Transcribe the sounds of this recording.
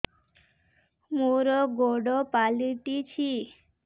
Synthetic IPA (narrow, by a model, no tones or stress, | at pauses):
muɾɔɡoɖɔpaliʈ̪it͡ʃʰi